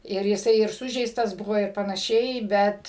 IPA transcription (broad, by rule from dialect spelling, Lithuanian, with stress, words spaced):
ɪr jɪˈsɐɪ ɪr ˈsʊʒʲɛɪstɐs ˈbʊʋoː ɪr pɐnɐˈʃʲɛɪ ˈbʲɛt